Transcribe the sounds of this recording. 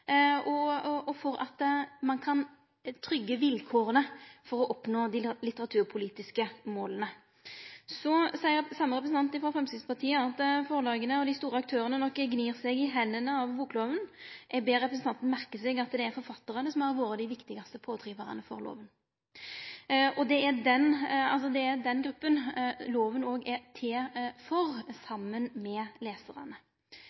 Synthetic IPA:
ɔɔɔfɔɾɑ̰t̪mɑnkʰɑn | t̪ʰɾʏɡːəʋɪlkʰoːʁənəfɔɾɔʔɔpnoːd̪ɪlɪt̪əʁɑt̪ʰʉːʁpʰʊliːt̪ɪskəmoːlənə | sɔsæɪəɾsɑmːəʁɛp̬ɾəsn̩t̪ɑnt̪ɪfɾʁɑfʁɛmsɪspɑʁt̪ʰiːəɑt̪foːəlɑːɡənəɔd̪ɪst̪uːɾəɑk̚t̪ʰøːʁənənɔkːɡniːʁsɛɡɪɦɛnːənəɑʋbuːkloːʋənʔɛbeːɾɛpɾəsn̩ɑnt̪n̩mæʁkəsɛɡɑt̪d̪ɛæɾfɔɾfɑt̪ːəʁənəsɔmæɾʋoːɾəd̪ɪʋɪkt̪ɪɡɑst̪əpʰoːt̪ʰɾiːʋəʁɑ̰nəfɔ̰ɾlo̰ːʋən | ɔd̪ɛæd̪ɛnɑ̰ls̬ɔd̪ɛæɾd̪ɛnɡɾʉpːənloːʋənoːɡæt̪ʰeːfɔɾsɑmːənmɛleːsəʁɑ̰nə

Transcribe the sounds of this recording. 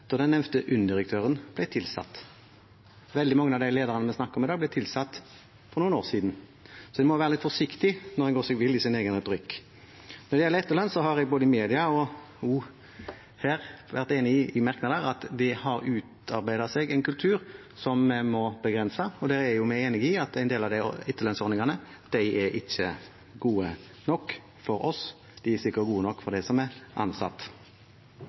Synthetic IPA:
d̪̥ɔd̪ɛnːɛʋt̪əʔʉnːd̪ɪɾək̚t̪ʰøːʁənb̥lɛɪt̪ʰɪlsɑ̰t̪ː | ʋɛld̪ɪmɑŋːənɑʋd̪æɪleːd̪əʁɑnəmɛsnɑkːəɔmɪd̪ɑːɡblɛɪt̪ʰɪlsɑt̪ː | fɔɾnuːəno̰ːʁsiːd̪n̩sɔd̪ɪmɔʋæːɾəlɪt̪fɔʂɪkt̪ɪnɔɾhɛnɡoːsɛɡʋɪlːɪsɪneːɡənɾɛt̪ʊɾɪkː | nɔd̪ɛjɛlːəɾɛt̪ːəʁɭɑnsɔɦɑɾɛɡ̚boːd̪əɪmeːd̪ɪɑɔ | ju | hæːɾʋæʁt̪eːnəɪɪmæɾknɑd̪əɾɑt̪d̪ɛhɑɾʉːt̪ɑɾbæɪd̪ɑseɡɛɪnkʉlt̪ʰʉːɾ | sɔmmɔbəɡʁɛnsəɔd̪ɛːɾæjʊmæeːnɪɡɪɑt̪æɪnd̪eːlɑʋd̪æɪ̰ɛt̪ːəlœnsɔɾnɪŋɑnəd̪̥æɪʔɛʔɪçːə | ɡuːə | nɔkː | fɔɾɔs | d̪̥ɪæsɪkːəɡuːənɔkːfɔɾd̪æɪsɔmæɾʔɑ̰nsɑ̰t̪ː

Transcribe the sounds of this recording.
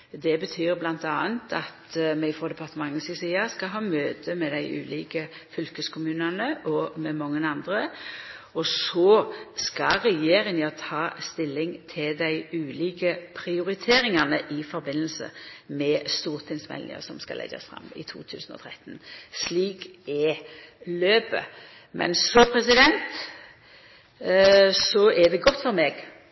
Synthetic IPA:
d̪ɛbət̪ʰyːɾblɑnt̪ɑːənt̪ʰɑt̪mɛfʁɔd̪ɛpʰɑʁt̪əmɑŋːəsisiːɑskɑɦɑːmøːt̪ʰəmɛd̪æɪʔʉ̰ːliːkə | fʏlkəskʰʊmʉːnɑnəʔɔmɛmɔŋːənɑnd̪ɾə | ɔsoːskɑɾɛjeːɾɪnjɑt̪ʰɑːst̪ɪlːɪŋt̪ʰɪld̪æɪʉːliːkəpʰɾɪʊɾɪt̪ʰeːɾɪŋɑnəʔɪfɔɾbɪnːəl̩sə̰mɛst̪uːɾt̪ʰɪŋsmɛ̰lɪ̰ŋə̰sɔmskɑlʔɛ̰ɡə̰sfɾɑ̰mɪ̰t̪ʰṵːt̪ʰʉ̰ːsən̩ɔ̰t̪ʰɾɛt̪nsliːkɛ | løːpə̰ | mʔɛ̰nsɔpʰɾɛsɪd̪ɛnt̪ | sɔɛd̪ɛɡɔt̪ːfɔɾmɛːɡ

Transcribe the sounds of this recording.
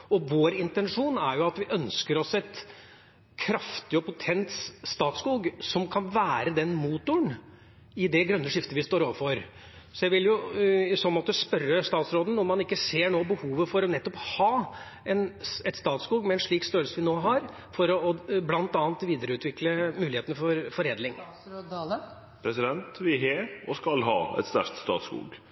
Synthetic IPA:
ɔʋoːɾɪnt̪ɛnʂuːnæɾjʊɑt̪ʋɪʔœnskəɾɔsɛt̪ | kʰɾɑft̪ɪɔpʊt̪ʰɛnt̪sst̪ɑːt̪skuːɡsɔmkʰɑnʋæːɾəd̪ɛnmuːt̪ʊəɳ | ɪd̪ɛɡɾœnːəʂɪft̪əʋɪst̪oːɾoːʋəfɔɾ | sɔjæɪʋɪljʊsɔnmɔt̪ːəspœɾəst̪ɑːt̪sɾoːd̪n̩ɔmɑnɪkːəseːɳoːbəhuːʋəfɔɾɔnɛt̪ːɔphɑː | ɛnɛt̪st̪ɑːt̪skuːɡmɛɛnʂɭiːkst̪øːlsəʋɪnoːɦɑɾ | fɔɾɔːblɑnt̪ɑːnt̪ʋiːd̪əɾəʉːt̪ʰʋɪkləmʉːlɪheːt̪nəfɔɾfɔɾeːd̪lɪŋ | pʰɾɛsɪd̪ɛnt̪ʋɪɦeɔskɑlɦɑ̰ːɛ̰t̪st̪æ̰ʂt̪st̪ɑ̰ːt̪skṵːɡ

